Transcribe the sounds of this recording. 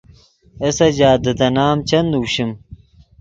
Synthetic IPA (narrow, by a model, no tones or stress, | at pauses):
ɐsɐd͡ʑaːd̪əd̪ɐnaːmt͡ɕɐnd̪uːɕim